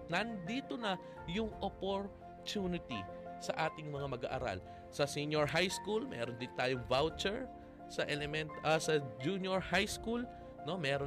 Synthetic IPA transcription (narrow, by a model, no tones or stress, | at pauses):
nɐnd̪iːt̪onɐ | jʊŋʔopoɹ | t̪unɪt̪ḭsɐʔaːt̪ɪŋmɐŋamɐɡa̰ʔa̰ɾa̰l | sɐsinjoɹɦajskulmɛ̰ːɾond̪ɪnt̪aːjoŋvawt͡ʃɛɹ | sɐʔɛlɛmɛnt̪ʔɐsɐd͡ʒunjoɹhajskul | no̞mɛːɾo